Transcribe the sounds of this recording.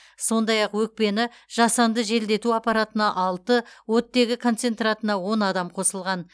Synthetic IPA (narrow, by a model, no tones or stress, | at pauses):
so̞nd̪ɑjɑqwɵk̚pe̞nɪ | ʒ̥ɑsɑnd̪əʒe̞ld̪e̞t̪uɑpɑɾat̪ənɑʔɑlˠt̪əwɵt̪ːe̞ɡʲɪkʰo̞nt̪se̞nt̪rat̪ənɑwo̞nɑd̪ɑmqʰo̞səlˠʁɑn